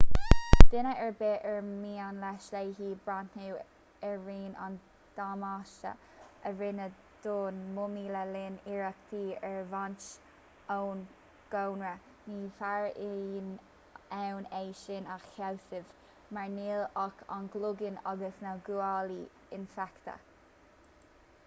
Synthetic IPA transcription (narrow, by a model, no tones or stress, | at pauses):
d̪̥ɪnəʔɛɹbeʔɛɹmiːanlɛʃlejhiːbɹantu | ɛɹɹiːna̰n | d̪̥amaʃtə̰ | əɹɪnə | d̪̥oːnmʊmiːləlɪniɹak̚t̪ʰiːɛɹvant͡ʃ | own | ɡ̥ownɹə | niːfaɹin | ɛwneːʃɪnaxhɛwsɪv | maɹniːlakʰa̰nɡlʊɡɪnaɡəsnəɡuali | ɪnfɛkt̪ə̰